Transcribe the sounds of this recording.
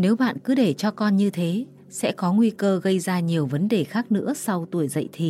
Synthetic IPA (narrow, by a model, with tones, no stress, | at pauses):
ne˨˦wɓa̰ː˧˨nkɨ˨˦ɗe˧˩t͡ɕɔ˧kɔ˧nɲɨ˧t̪ʰe˨˦ | sɛ̰˧˥kɔ˨˦ŋwi˧kəː˧ɣə˧jzaː˧ɲi˨˩əwvə˨˦nɗe˨˩xaː˦˥k̚nɨ̰˧˥əsa˧wt̪u˧˩əjzə̰˧˨jt̪ʰḭ˧˩